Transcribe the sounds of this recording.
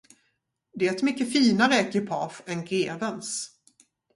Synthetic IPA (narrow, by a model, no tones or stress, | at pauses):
d̪ɛɛɛt̪mʏkːəfiːnaɾəkʰʏpʰɑːfɛnɡeːvəns